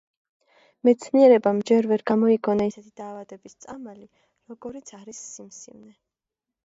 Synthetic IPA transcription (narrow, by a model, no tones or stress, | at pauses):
mɛt̪sʰniɛɾɛbamd͡ʒɛɾvɛɾɡamɔiɡʰɔnaisɛt̪ʰid̪aːvad̪ɛbist̪sʼamali | ɾɔɡɔɾit̪sʰaɾisːimsḭvnɛ